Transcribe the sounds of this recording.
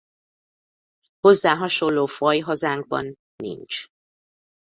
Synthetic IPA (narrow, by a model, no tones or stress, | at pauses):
ho̞zːaːɦɒʃo̞lːoːfɒjɦɒzaːŋɡ̚bɒ̰nː | ḭnt͡ʃ